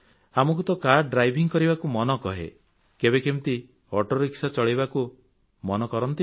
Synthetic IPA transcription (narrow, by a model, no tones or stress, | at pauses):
amɔkut̪ɔkaɾɖɾajbʱiŋkɔɾibakumɔnɔkɔɦḛ | kebekemt̪i | ɔʈoɾiksat͡ʃɔɭiβaku | mɔnɔkɔɾɔnt̪i